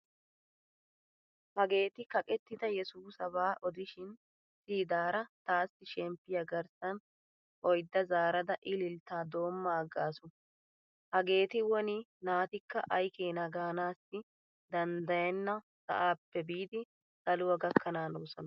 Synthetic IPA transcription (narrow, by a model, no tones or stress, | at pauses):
hɐɡe̞ːt̪ɪkɐkʼɛt̪ːɪd̪ɐjɛsuːsɐbaːʔɔd̪ɪʃɪn | siːd̪aːɾɐt̪aːsːɪʃɛmpːɪjɐɡɐɾsɐn | ʔɔjd̪ːɐzaːɾɐd̪ɐʔɪlɪlt̪ːaːd̪o̞ːmːaːɡːaːsʊ | hɐɡe̞ːt̪ɪwɔnɪnaːt̪ɪkːɐ̰ʔɐjkeːnɐɡaːnaːsːɪ | d̪ɐnd̪ɐjɛnːɐ | sɐ̰ʔaːpːɛbiːd̪ɪ | sɐlʊwɐɡɐkʰːɐnaːnoːsɔnɐ